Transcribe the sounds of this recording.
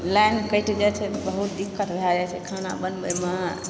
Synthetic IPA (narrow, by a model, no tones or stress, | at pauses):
lankəjʈʰd͡ʒat͡ʃʰɛbəɦut̪d̪ikːəʈɾəɦɛd͡ʒat͡ʃʰɛkʰana̰bənbəjmə